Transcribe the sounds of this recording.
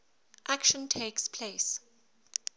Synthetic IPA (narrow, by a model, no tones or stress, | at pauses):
ʔakʃə̃ntʰeːkspʰles